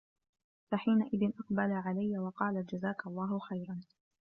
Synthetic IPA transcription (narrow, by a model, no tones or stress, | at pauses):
faħiːnaʔɪðɪnʔɑqbalaʕalajːawɑqɑːlad͡ʒazaːkalˤːɑːɦʊxajɾˤɑn